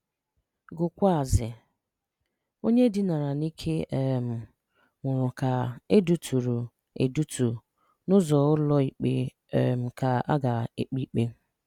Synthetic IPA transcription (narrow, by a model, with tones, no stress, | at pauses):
ɡʊ˨kʷa˦˨zɪ˨ | o˦ɲe˦dɪ˦na˨ɾa˨ni˦kʰe˦e˨m̩˨ | ŋʷʊ˨ɾʊ˨ka˨e˦du˨tʰu˨ɾu˨ | ḛ˨du˦tu˨ | nʊ˦zɔ˨ʊ˦lɔ˦i˨k͡pḛ˦˨ | m̩˨ka˨a̰˦ɡa˨e˨k͡pi˦k͡pe˦